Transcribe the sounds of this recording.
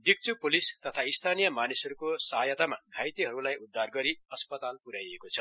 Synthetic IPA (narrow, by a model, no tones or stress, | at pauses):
bik̚t͡supolist̪ʌt̪ʰaist̪ʰanijʌmanisʌɾukosʌɦʌjʌt̪amaɡʱajt̪iɦʌɾulajud̪ʱːarɡʌɾiʌspʌt̪alpuɾajekot͡sʰʌ̥